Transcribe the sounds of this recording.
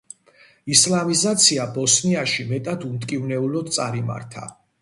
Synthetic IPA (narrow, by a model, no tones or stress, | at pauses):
islamizat̪sʰiabɔsniaʃimɛt̪ʼad̪umt̪ʼkʼivnɛulɔd̪̚t̪sʼaɾima̰ɾt̪ʰa̰